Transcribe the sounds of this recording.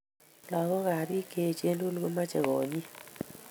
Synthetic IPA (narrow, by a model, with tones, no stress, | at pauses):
lɔ˨ɣɔ˦ɣa˨ɾi˦ke˦˨t͡ʃe˦lu˦lɡo˦ma˦t͡ʃɛ˨ɣɔ˨ɲi˦